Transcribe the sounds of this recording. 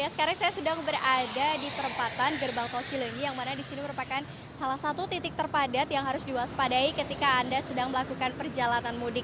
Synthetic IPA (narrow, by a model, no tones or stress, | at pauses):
jasə̥kaɾaŋsajasədaŋbərʔadadit̪əɾəmpat̪anɡərbaŋt̪ot͡ʃiləŋijaŋmanadisiniməɾupakan | salahsat̪ut̪it̪ɪk̚t̪ərpadat̪jaŋɦaɾʊsdibaɦaspadaikət̪ikaːndasədaŋməlakukanpərd͡ʒalananmudɪk̚